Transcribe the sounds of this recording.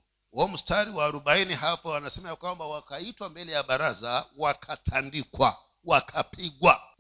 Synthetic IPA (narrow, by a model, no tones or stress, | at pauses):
wɔm̩staɾiwaːɾuɓainiɦapawanasɛmajakwambawakaitwambɛlɛjaɓaɾazawakʰatʰandikwa̰ | wakʰapʰiɠwa